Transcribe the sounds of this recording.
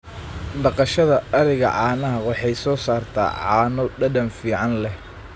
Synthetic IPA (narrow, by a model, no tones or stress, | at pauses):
ɖɑqɑʃɐðɐɐɾɪɣɐ̰ʕɑːnɐɦɐwɑħɑjsɔːsaːrt̪ʰa̰ːʕɑːnɔɖɐɖɐnfiːʕɑnlɛh